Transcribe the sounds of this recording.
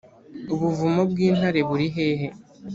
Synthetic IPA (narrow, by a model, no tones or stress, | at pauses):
uβuvumobɡiːn̥haɾe̞βuɾiɦe̞ːɦe̞